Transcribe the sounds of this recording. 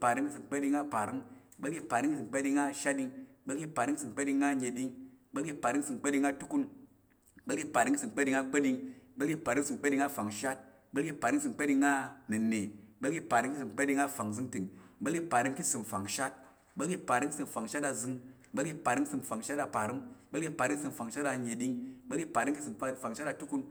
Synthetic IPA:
pa˨ɾi˧ŋki˦sɨ˧mk͡pe˦ɗi˧ŋa˦˧pa˨ɾi˦ŋ˦ | ɓe˦ɡi˧pa˨ɾi˦ŋ˦i˦sɨ˨mk͡pe˦ɗi˧ŋa˦˧ʃa˦di˧ŋ˦ɓe˦lki˧pa˨ɾi˧˦ŋ˦sɨ˨mk͡pe˦ɗi˧ŋa˦ɲe˧ɗi˧ŋ˦ɓe˦i˧pa˨ɾi˦ŋ˦sɨ˧˨mk͡pe˦ɗi˧ŋa˧tu˦ku˧n˦ | ɓe˦lɡi˧pa˨ɾi˧ŋki˦sɨ˨mk͡pe˦ɗi˧ŋa˧ɡ͡be˦ɗi˧ŋ˦ɓe˦lɡi˧pa˨ɾi˧˦ŋ˦sɨ˧˨m˨k͡pe˦ɗi˧ŋa˦˧fa˨ŋʃa˦t̚ | ɓe˦lɡi˧pa˨ɾi˦ŋ˦sɨ˧˨mk͡pe˦ɗi˧ŋːa˦nɨ˨ne˨˦ɓe˦lɡi˧pa˨ɾi˧˦ŋki˦sɨ˨mk͡pe˦ɗi˧ŋa˧fa˨ŋzɨ˧ŋtɨ˨ŋɓe˦lɡi˧pa˨ɾɨ˧˦mki˦sɨ˨mfa˨ŋʃa˦t̚ | ɓe˦ɡi˧pa˨ɾi˦ŋ˦sɨ˧mfa˨ŋʃa˦ta˧zɨ˧ŋ | ɓe˦lɡi˧pa˨ɾi˦ŋsɨ˧mfa˨ŋʃa˦ta˧pa˨ɾi˦m˦ɓe˦lɡi˧pa˨ɾɨ˦ŋ˦sɨ˧mfa˨ŋʃa˦ta˧ɲe˨ɗi˧ŋ˦ɓe˦lɡi˧pa˨ɾi˦mki˦sɨ˧m˦˧fa˨ŋʃa˦ta˧tu˦ku˧n

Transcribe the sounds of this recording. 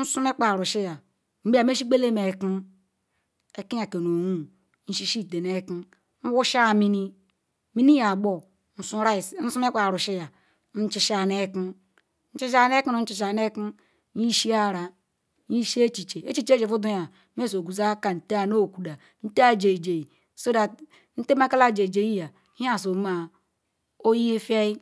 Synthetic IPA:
n̩˦su˦me˦k͡pa˨ɾu˨ʃi˦ja˨ | m̩˦bi˦a˨m˦e˦ʃ̬i˦ɡ͡be˦le˦me˨ki˦ | e˨ki˦a˨ke˨no˨wu˦ | n̩˦ʃi˦ʃi˦˨te˨ne˦ki˦ | n̩˦wu˦ʃa˦˨mi˦ni˦ | mi˦ni˦ja˨ɡ͡bo˨ | n̩˨su˦ɾa˦˨n̩˦su˦m˦e˦k͡pa˨ɾu˨ʃi˦ja˨ | n̩˦t͡ʃi˦ʃa˨ne˦ki˦ | n̩˦t͡ʃi˦ʃ̬a˦˨ne˦ki˦nu˦n̩˦t͡ʃi˨ʃ̬a˨ne˦ki˦ | ɲi˦ʃi˦a˦˨ɾa˨ | ɲi˦ʃi˦e˦t͡ʃi˨t͡ʃe˨e˦t͡ʃi˦t͡ʃe˦ʃe˨fu˦du˦ja˨˦ | me˦˨so˨ɡu˨za˦ka˨n̩˨te˦a˨no˦˨ku˨da˨ | n̩˦te˦a˦d͡ʒe˨d͡ʒe˨i˨ | so˦da˨t | n̩˦te˦ma˦ka˦la˦˨d͡ʒe˨d͡ʒe˨ji˦ja˨˦ | a˦˨s̬o˨˦ma˨ | o˦ji˦e˦fe˦i˦

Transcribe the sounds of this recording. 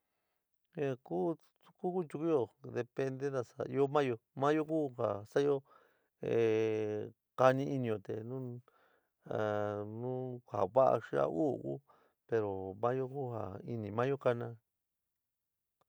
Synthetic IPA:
e˧ku˦ | ku˦ku˦t͡ʃu˧ku˦jo˧˨d̪e˧pe˧nd̪e˦ða˧sa˨˧i˧o˦mã˦jo˧mã˦jo˦ku˦ha˨sa˦jo˦ | e˨ | ka˧nĩ˦i˧nĩ˧o˨t̪e˨nũ˦˨ | nũ˦ka̰˨βa˦ʔa̰˧ʂi˦a̰˦˧u˦˨˧kṵ˦ | pe˧ɾo˨mã˦jo˦ku˦ha̰˨i˧nĩ˧˨mã˦jo˦ka˧nã˧

